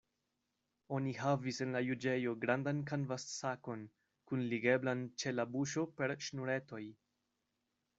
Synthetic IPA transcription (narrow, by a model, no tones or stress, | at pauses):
o̞nihavise̞nlajud͡ʒe̞jo̞ɡɾandankanvassako̞n | kunliɡe̞blant͡ʃe̞labuʃo̞pe̞ɾʃnuɾe̞to̞j